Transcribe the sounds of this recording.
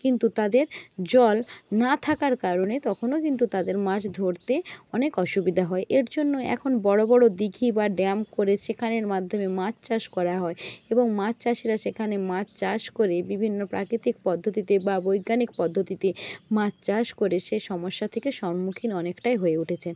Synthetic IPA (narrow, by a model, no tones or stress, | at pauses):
kint̪ut̪ad̪eɾd͡ʑɔlnat̪ʰakaɾkaɾonet̪ɔkʰonokint̪̬ut̪ad̪eɾmãt͡ɕd̪ʱoɾt̪eɔnekɔʃubid̪ʱaɦɔeʔeɾd͡ʑonːoɛ̰kʰonbɔɽobɔɽod̪iɡʱibaɖɛmkoɾeʃekʰaneɾmad̪ʱːomemat͡ɕt͡ɕaʃkɔɾaɦɔeeboŋmãt͡ɕt͡ɕaʃiɾaʃekʰanemãt͡ɕt͡ɕaʃkoɾebibʱinːopɾa̰kɾit̪ik̚pɔd̪ʱːot̪it̪ebabojɡanik̚pɔd̪ʱːot̪it̪emãt͡ɕt͡ɕaʃkoɾeʃeʃɔmoʃːat̪ʰekeʃɔmmukʰinɔnekʈajɦoeuʈʰet͡ɕʰen